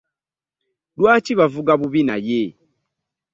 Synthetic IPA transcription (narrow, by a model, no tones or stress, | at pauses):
lwaːciβavuɡaβuβina̰je